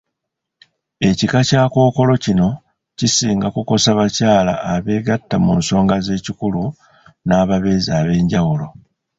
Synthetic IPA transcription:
e̞cikacaːko̞ːko̞lo̞cino̞ | cisiːŋɡakuko̞saβacaːla̰ːβe̞ːɡatːamṵːnso̞ːŋɡaze̞ːcikulu | naːβaβe̞zaːβe̞ːɲɟawulo̞

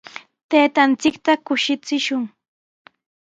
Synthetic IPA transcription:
t̪eːt̪ant͡sɪkt̪akʊʃɪt͡sɪʃʊŋ

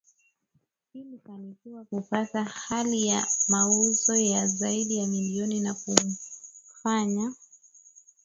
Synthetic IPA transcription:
hilifanikiwakupatahalijamauzɔjazaiɗijamiliɔninaku | faɲa

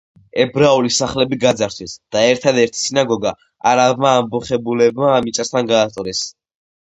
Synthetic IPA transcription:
ɛbɾaulisaχlɛbiɡad̪zaɾt̪ʰwɛsd̪̥aɛɾt̪ʰad̪ɛɾt̪ʰi̥sinaɡɔɡa | aɾabmaːmbɔχɛbulɛbmaːmit͡ʃʼast̪ʰanɡaːt̪ʼɾɛs

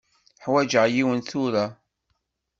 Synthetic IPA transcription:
ħwæd͡ʒəʁjiwənθʊɾa

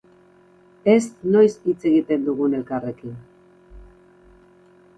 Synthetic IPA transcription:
e̞sno̞jsit͡se̞ɣit̪e̞nd̪uɣ̞une̞lkare̞kin

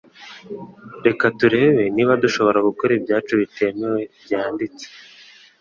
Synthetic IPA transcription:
ɾe̞katuɾe̞ːβe̞niβaduʃo̞βo̞ɾaɡukoɾebjaːt͡ʃuβite̞ːmewe̞bjaːndit͡se̥

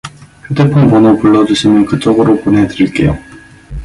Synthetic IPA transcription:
hetʰepʰoŋpʌnopuɭːʌd͡ʑuɕʰimɯnkɯt͡ɕ͈ʌɡɯɾoponɦe̞dɯɾiɭk͈e̞̰jo

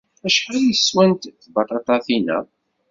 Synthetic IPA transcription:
æʃħɾijəsːwænt̪θbɑt̪ˤɑt̪ˤɑθinæ̰

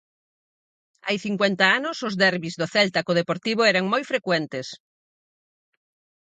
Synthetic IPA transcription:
ajθiŋkwɛnt̪aanʊsʊzðɛɾβizðʊθɛlt̪akoð̞epoɾt̪iβ̞ʊɛɾaŋmojfɾekwɛnt̪es

